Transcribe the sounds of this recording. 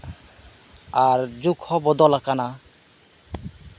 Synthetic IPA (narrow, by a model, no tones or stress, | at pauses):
aɾd͡ʒukʰhɔbɔd̪ɔlakana